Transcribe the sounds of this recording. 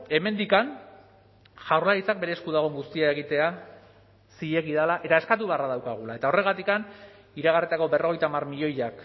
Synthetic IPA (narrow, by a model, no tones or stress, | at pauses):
e̞me̞nd̪ikan | ʝawɾlaðit͡sak̚be̞ɾe̞ːskuðaɣ̞o̞ŋɡust̪iaeɣ̞it̪e̞a | siʎe̞ɣiðalaʔe̞t̪ae̞skat̪̬uβearaðawkaɣ̞ulae̞t̪ao̞re̞ɣat̪ikan | iɾaɣ̞arit̪ako̞be̞ro̞ɣ̞e̞jt̪amarmiʎo̞jak